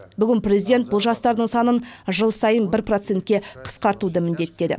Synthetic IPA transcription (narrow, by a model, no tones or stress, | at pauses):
bʏɡʲɪnprʲe̞zijd̪e̞nt̪̚bʊlˠʒɑst̪ɑɾd̪əɴsɑnənʒəlˠsɑjənbɪɾpro̞t̪se̞nt̪̚ʲkʲe̞qʰə̥sqɑɾt̪ud̪əmɪnd̪e̞t̪ːe̞d̪ɪ̰